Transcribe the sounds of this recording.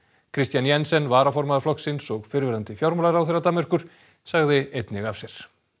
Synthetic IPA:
kʰɾɪst̪janjɛnsɛnːvaːɾafɔɾmaðaɾ̥flɔksɪnsɔɣfɪɾvɪɾant̪ɪfjowɾmʏlaɾawθerːat̪aːmɛr̥kʏɾ̥ | saɣðɪejt̪nɪɣafsjɛɾ̥

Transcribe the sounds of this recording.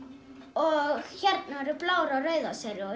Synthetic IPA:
ɔɣçɛɾt̪̚naaɾʏplaːwɾaɾœːɥðasɛɾɪɔ

